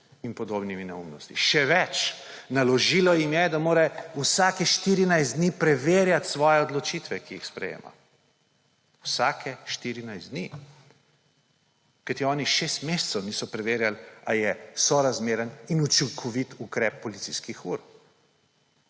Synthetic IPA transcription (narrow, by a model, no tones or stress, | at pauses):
inpɔd̪obniminɛumnɔst̪iʃɛʋɛt͡ʃnalɔʒiːlɔjimjɛd̪amoːɾɛusaːkɛʃt̪iːɾinajsd̪niːpɾɛʋeːɾjat̪sʋɔːjɛɔd̪lɔt͡ʃiːt̪ʋɛkiixspɾɛ̰jḛːma̰ | wsaːkʰɛʃt̪iɾinajszd̪ni | kajt̪iɔːniʃest̪mest̪səwnisɔpɾɛʋeːɾjalajɛsɔɾazmeːɾəninut͡ʃiŋkʰɔʋit̪ukɾɛːp̚ːɔlit̪siskixuːɾ